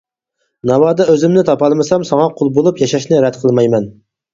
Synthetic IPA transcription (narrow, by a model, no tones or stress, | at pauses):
nɑwɑːd̪ɑøzɪmnɪt̪ʰɑpɑlˠmɨsɑmsɑŋɑqʰolˠbolˠupjɑʃɑʃnɪɾɛd̪qʰəlˠmɑjmɛn